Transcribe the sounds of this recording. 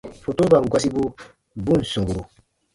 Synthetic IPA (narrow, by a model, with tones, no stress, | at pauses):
fo˨to˦ba˨ɡwa˦s̬i˦bo˦ | bũ˦n̩˨sɔ̃˨ɡo˨ɾo˨